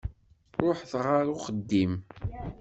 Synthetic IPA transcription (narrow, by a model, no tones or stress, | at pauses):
ɾˤoħθʁaɾʊχəd̪ːim